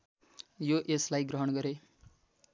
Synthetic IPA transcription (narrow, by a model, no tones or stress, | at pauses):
joʔeslajɡɾʌɦʌɽ̃ɡʌɾe